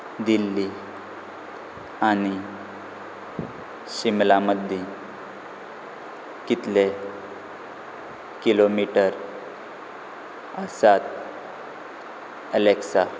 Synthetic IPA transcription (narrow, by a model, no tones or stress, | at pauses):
d̪ilːi | añi | ɕimlaməd̪ʱːi | kit̪le | kilomiʈəɾ | əsat̪̚ | əleksa